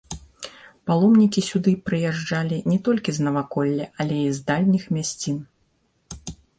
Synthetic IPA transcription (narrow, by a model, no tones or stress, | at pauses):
palˠɔmnʲikʲisʲud̪ɨpɾɨjaʐd͡ʐalʲinʲɛt̪ɔlʲkʲiznɐvakɔlʲːɛʔɐlʲɛizd̪alʲnʲixmʲasʲt͡sʲin